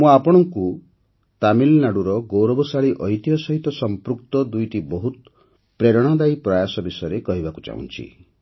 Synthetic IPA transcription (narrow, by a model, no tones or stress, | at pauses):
mũapɔɽ̃ɔŋku | t̪amilnaɽuɾɔɡowɾɔbɔsaɭiʔɔjt̪iɦɔsɔɦit̪ɔsɔmpɾukt̪ɔd̪ujʈibɔɦut̪ | pɾeɾɔɽ̃ɔd̪ajpɾajasɔbisɔjɔɾekɔɦibakut͡ʃa̰ɦṵ̃nt͡ʃʰḭ